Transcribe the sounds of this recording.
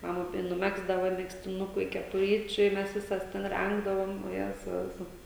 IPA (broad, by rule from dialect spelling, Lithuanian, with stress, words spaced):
mɐˈmɐ tɐɪ nʊˈmʲæːɡzdɐʋɐ mʲɛksʲtʲɪˈnʊkʊ ɪ kʲɛpʊˈrʲiːt͡ʃʲʊ ɪ ˈmʲɛs ˈʋʲɪsɐs ˈtʲɛn ˈrʲɛŋɡdɐʋoːm oːˈjæːzɐʊ ˈʋʲɪsoːs